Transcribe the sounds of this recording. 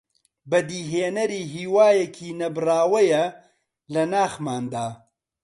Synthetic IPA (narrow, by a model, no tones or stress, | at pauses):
bɐd̪iːɦeːnɐɾiːɦiːwaːjɐkʰiːnɐbɨraːwɐjɐ | lɐnaːxmaːnd̪aː